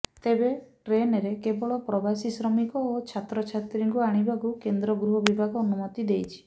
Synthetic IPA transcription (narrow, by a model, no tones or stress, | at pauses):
t̪ebeʈɾenɾekebɔɭɔpɾɔbasisɾɔmikɔot͡ʃʰat̪ɾɔt͡ʃʰat̪ɾiŋkuaɽ̃ibakukend̪ɾɔɡɾuɦɔbibʱaɡɔːnumɔt̪id̪ejt͡ʃʰi̥